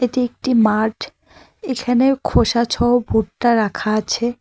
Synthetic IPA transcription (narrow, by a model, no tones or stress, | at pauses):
eʈiek̚ʈimaɾɖ | ekʰanekʰoʃat͡ɕʰɔobʱuʈːaɾakʰaat͡ɕʰe